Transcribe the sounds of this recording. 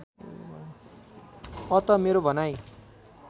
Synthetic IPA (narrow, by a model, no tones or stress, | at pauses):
ʌt̪ʌmeɾobʱʌnaj